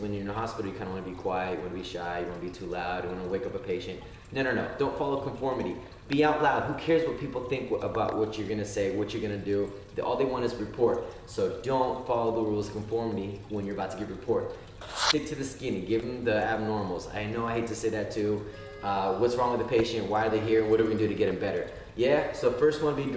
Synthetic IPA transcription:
wɨ̃njə˞ɨ̃nəɦɑspɪɾl̩ˠjɨkʰãɪ̃ndəwɑ̃nbikʰw̥aɪɨtjɨt̚wɑ̃nɨbiʃaɪjɨwɑ̃nɨbitʰulaʊdjəwɑ̃nəweɪkʌpəpʰeɪʃɨ̃nt | nɛɾənoʊdõʊ̃ntfɑlˠoʊkʰɱfɔɹmɨɾi | b̥iaʊʔˡlaʊd̚ɦukʰɛɹzwʌt̚pʰipl̩ˠθɪ̃ŋkəbaʊʔwʔʌt͡ʃə˞ɡʌñɨseɪwʌt͡ʃə˞ɡʌnɨdɨ | ɔ̰lˠðeɪwɑ̃ñɨzɹɨpʰɔɹt̚ | soʊdõʊ̃ntfɑlˠoʊðəɹulˠz̥kʰɱfɔɹmɨɾiwə̃njə˞əbaʊtʰɨɡɪvɹɨpʰɔɹt̚ | stɪk̚tʰɨðɨskɪ̃nɪ̃ŋɡɪṽmðiæb̚nɔɹml̩ˠza̰ɪnoʊaɪɦeɪd̚tʰɨseɪðɨtʰʉ | ʌwʌtsɹɔ̃ŋwɨðɨpʰeɪʃɨ̃nʔwaɪə˞ðeɪɦiɹɨ̃nwʌɾɨvɨ̃ndɨɾɨɡɛɾɨ̃mbɛɾə˞ | jæsoʊfɜ˞st̚wʌ̃nbi

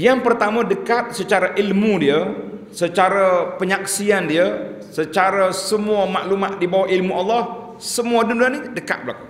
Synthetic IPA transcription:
jaŋpərt̪amə̃dəkat̪̚sət͡ʃaɾaʔilmudiə | sət͡ʃaɾapəɲaksiandiə | sət͡ʃaɾasəmuəma̰ʔlumaʔ̪̚dibawahilmuʔalːah | səmuadundanidəka̰t̪̚bəla̰ku

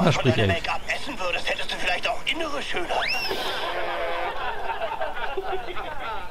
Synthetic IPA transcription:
hɛɐʃpʁɪçɛ̰ɛkamʔɛsn̩vʏɐɾəsthɛtəstd̥uːfɪlaɪçtaʊxʔɪnəʁəʃøːnə

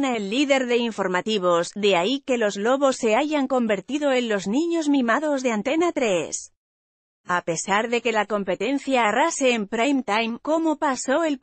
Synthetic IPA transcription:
naelːiðe̞ɾðe̞iɱfo̞ɾmat̪iβ̞o̞zðe̞aike̞lo̞zlo̞βo̞sːe̞aʝaŋko̞mbe̞ɾt̪iðo̞e̞nlo̞znĩɲo̞zmĩmaðo̞zðeant̪e̞nat̪ɾes | ape̞saɾðe̞ke̞lako̞mpe̞t̪e̞nθjaːrase̞ːmpɾajmt̪ajmko̞mo̞paso̞el

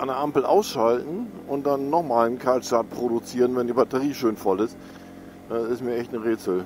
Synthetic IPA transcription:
ʔanəɐʔampl̩ʔa̰ʊsʃaltn̩ʔʊnt̚d̥anːɔχmaːlnkʰalʃtaɐt̚pʁ̥oɾut͡siːʁənvɛndiːbatəʁiːʃøːnfɔlɪst | ʔɛːɪstmiːɐʔɛçtnəʁeːt͡sl̩

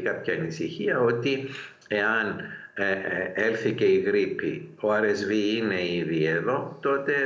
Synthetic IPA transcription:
kɐpçɐnisiçiɐo̞t̪i | e̞ɐn | e̞lθice̞iɣɾipḭoɐɾezviine̞iðie̞ðo̞t̪o̞t̪e̞

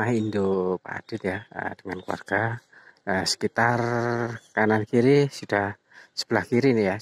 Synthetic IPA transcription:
aɦindopa̰d̥ɪt̪jaə̰d̥əŋankuwa̰rɡ̥aəsə̥kit̪arkanankiɾisud̥ah | sə̥b̥əlahkiɾinija

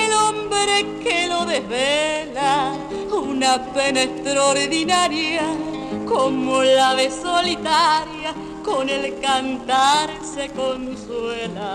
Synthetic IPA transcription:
elo̞mbɾe̞ke̞lo̞ðeɦβela | unape̞naest̪ɾoɾðinaɾja | komolaβeso̞lit̪aɾja | ko̞ne̞lkant̪aɾse̞ko̞nswe̞la

